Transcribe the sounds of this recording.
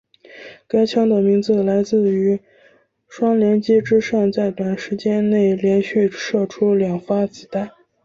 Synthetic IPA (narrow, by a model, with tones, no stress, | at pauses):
ka˥ɪt͡ɕʰjɑ˥ŋd̪ə˨˩mi˧˥ŋt͡sɹ̩˥˩la˧˥ɪt͡sɹ̩˥˩y˧˥ | ʂwɑ˥ŋljɛ˧˥nt͡ɕjɛ˥ʈ͡ʂɻ̩˥ʂɑ˥˧ŋt͡sa˥˩ɪt̪wa˨˩nʂɻ̩˧˥t͡ɕjɛ˥nne˥˩ɪljɛ˧˥nɕy˥˩ʂɤ˥˩ʈ͡ʂʰu˥ljɑ˨˩ŋfa˥t͡ɕi˨˩t̪a˥˩